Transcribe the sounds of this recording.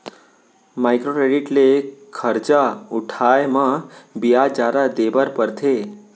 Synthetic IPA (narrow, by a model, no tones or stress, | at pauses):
majkɾokɾeɖiʈlekʰəɾt͡ʃauʈʰajmãbijad͡ʒaɾad̪ebəɾpəɾt̪ʰe